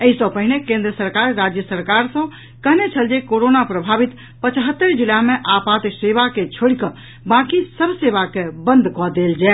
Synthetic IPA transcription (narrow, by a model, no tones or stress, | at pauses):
əisə̃pəɦinekẽnd̪ɾəsəɾkaɾːad͡ʒjəsəɾkaɾsə̃ | kəɦnet͡ʃʰəld͡ʒekoɾonapɾəbʱabit̪ | pət͡ʃɦət̪ːəɾd͡ʒulameʔapat̪seβaket͡ʃʰoɽikə | bãkisəbʱseβakebə̃nd̪ʱkɔd̪eld͡ʒɛ